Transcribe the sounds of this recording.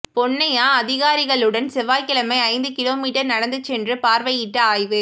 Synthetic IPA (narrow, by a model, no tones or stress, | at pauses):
pɔɳːɐjaːɐðɪɣaːɾɪɣɐɭɯɽɐnsɛʋaːjkɪlɐmɐɪɐɪnd̪ɯkɪloːmiːʈːɐɾnɐɽɐnd̪ɯt͡ʃːɛndrɯpaːɾʋɐjɪʈːɐaːjʋɯ